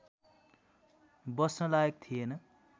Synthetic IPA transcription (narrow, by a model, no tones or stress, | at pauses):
bʌsnʌlaek̚t̪ʰijenʌ